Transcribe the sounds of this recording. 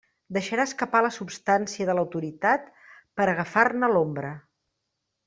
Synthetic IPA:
d̪əʃəɾaəskəpaləsupst̪ansiəðələwt̪uɾit̪at̪ | pəɾəɣəfarnəlombɾə

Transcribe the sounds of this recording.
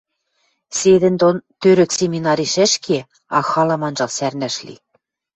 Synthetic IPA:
sed̪ɘ̆nd̪ont̪øɾɘ̆ksemʲinɑɾʲiʃɘ̆ʃkʰe | ɑxɑlɑ̆mɑnʒɑlsærnæ̆ʃlḭ

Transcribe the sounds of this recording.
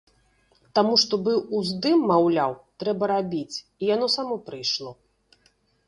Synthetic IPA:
t̪amuʂt̪ɔbɨʔuzd̪ɨmːawlʲawt̪ɾɛbɐɾabʲit͡sʲ | ijanɔsamɔpɾɨjʂlˠɔ

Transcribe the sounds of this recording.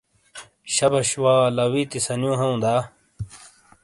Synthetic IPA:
ɕɐbɐɕwaːlɐwit̪isɐnjõːɦɐũd̪aː

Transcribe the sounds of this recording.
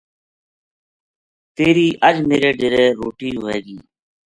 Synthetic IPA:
t̪eːɾiːʔəd͡ʒmeːɾeːɖeɾeːɾoːʈiːʊeːɡiː

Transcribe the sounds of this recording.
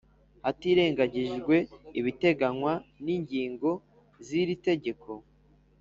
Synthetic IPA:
hatiɾe̞ːŋɡaɟiʒɡwe̞iβite̞ɡaŋwaniːɲɟiːŋɡo̞ | ziɾite̞ɟe̞ko̞

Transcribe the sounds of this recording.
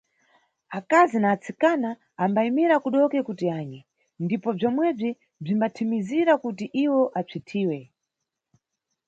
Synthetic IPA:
akazinaːt͡sikanaː | mbaimiɾakuɗɔkɛkutiaːɲɛ | ndipɔb͡ʐɔmwɛb͡ʐi | b͡ʐimbatʰimiziɾakutiʔiwɔʔat͡sʰitʰiːwɛ

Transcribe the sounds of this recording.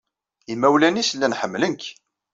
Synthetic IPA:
imːæwlænislːænħəmːlənk

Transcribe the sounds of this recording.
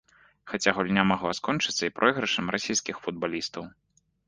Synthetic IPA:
xat͡sʲaɣulʲnʲamaɣlˠaskɔnt͡ʂɨ̥t̪sːɐipɾʔɔjɣɾɐʂɐmrasʲijskʲixfud̪̚balʲist̪ɐw

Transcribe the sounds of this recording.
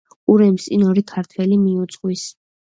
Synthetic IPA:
uɾɛmsʼinɔɾikʰaɾt̪ʰwɛlimiut̪sʼqʼwis

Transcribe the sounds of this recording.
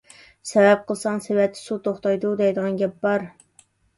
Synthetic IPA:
sɛvɛp̚qʰəlˠsɑŋsewɛt̪ʰːɪ̥sut̪ʰoχt̪ɑjd̪ud̪ɛjd̪əʁɑnɡʲɛp̚bɑɾ

